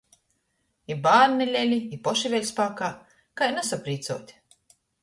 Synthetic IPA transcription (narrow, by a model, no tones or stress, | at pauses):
ibaːɾnɛlʲɛlʲiipɔʃivʲɛlʲspaːkaː | kajnasapɾiːt̪sṵːt̪ʲ